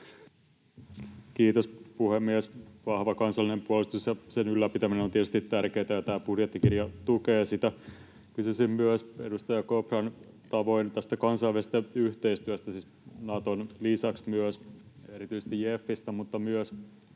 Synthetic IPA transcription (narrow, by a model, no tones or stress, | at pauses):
kiːt̪ospuhemːiɛsʋɑhʋɑkɑnsɑlːinempuolist̪usjɑsenylːæpit̪æminenoniet̪y̥st̪it̪ːærkeːt̪æjɑt̪æːbudjet̪ːikirjɑt̪ukeːsit̪æ | kysysimmyøsedust̪ɑjɑkoprɑn | t̪ɑʋoint̪æst̪ækɑnsɑiʋsest̪æyht̪eist̪yæst̪æsis | nɑt̪onlisɑksmyøseɾit̪yise̥st̪iefːist̪æmut̪ːɑmyøs